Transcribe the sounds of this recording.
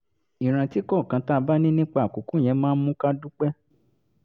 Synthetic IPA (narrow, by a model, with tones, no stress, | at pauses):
i˨ɾ̃ã˨ti˨˦kɔ˦˨kã˨˧˦ta˦˧ba˦nĩ˦nĩ˦k͡pa˧˦a˨ku˨˦ku˦˨j̃ɛ̃˧˦mãː˦˧˦mũ˦ka˦du˦k͡pɛ˦